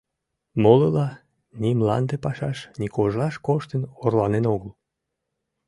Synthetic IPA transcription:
moləlɑ | nʲimlɑ̰nd̪epɑʃɑʃnikoʒlɑʃkoʃt̪ənorlɑnenoɣəl

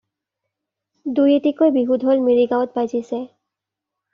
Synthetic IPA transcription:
dujetikojbiɦudʱɦolmiɹiɡawɔt̚bajzisɛ

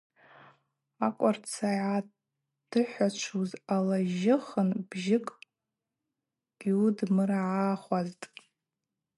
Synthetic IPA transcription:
akʷʼart͡sʰaʕa | d̥ɨħʷat͡ʃʷʰuzalaʒɪχənb̥ʒɪkʼ | ɡ̥iudmɨraʕaχʷaztʼ

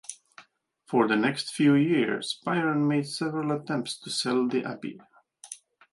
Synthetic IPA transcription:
fəɹðənɛkstfjʉjɪɹz̥baɪɹə̃nmeɪd̥sɛvəɹəlˠətʰɛ̃mp̚tstʰusɛlˠðiʔæ̰pḭ

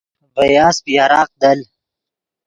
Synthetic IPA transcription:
bɐjaːspiaɾɑːq̚d̪ɐl

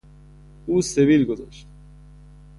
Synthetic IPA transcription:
uːseviːlɡozɔ̰ːʃt̪

